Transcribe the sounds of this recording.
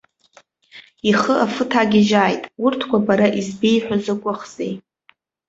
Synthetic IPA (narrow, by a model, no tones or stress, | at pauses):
iχəʔafɨtʰaɡʲɪʒaːjtʼurtʰkʷʰabaɾaʔizbejħʷᶣazɨkʷʼʊχz̥ḛj